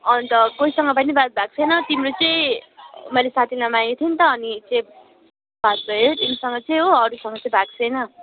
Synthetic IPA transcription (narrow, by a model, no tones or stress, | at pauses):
ʌnt̪ʌkoisʌŋɡʌpʌnibʱat̪̚bʱak̚t͡sʰʌjnʌt̪imrot͡sʌĩmʌjlesat̪ʰinʌmajkt̪ʰint̪ʌːnit͡sʌ̃ | bʱat̪̚bʱʌjet̪imsʌŋɡʌt͡sʌj̃ɦoʌɾusʌŋɡʌt͡sʌ̃bʱaɡ̚t͡sʰʌjnʌ